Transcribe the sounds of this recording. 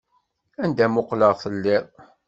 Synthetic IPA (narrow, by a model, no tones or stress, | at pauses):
ænd̪æmʊqləʁθəlːɪðˤ